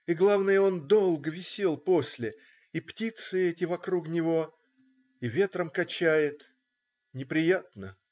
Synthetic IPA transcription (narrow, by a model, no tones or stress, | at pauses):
iɡlˠavnɨjəo̞nd̪o̞lˠɡəvʲɪsʲe̞lˠpo̞sʲlʲɪ | iptʲit̪sɨɛtʲɪvɐkɾuknʲɪvo̞ | ivʲe̞t̪ɾəmkɐt͡ɕæjɪt̪ | nʲɪpɾʲɪjat̪̚nə